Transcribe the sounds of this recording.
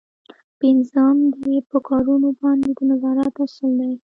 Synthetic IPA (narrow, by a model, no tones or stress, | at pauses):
pɪnzɑmd̪epəkɑɾunobɑnd̪ed̪ənazɑɾat̪asəld̪a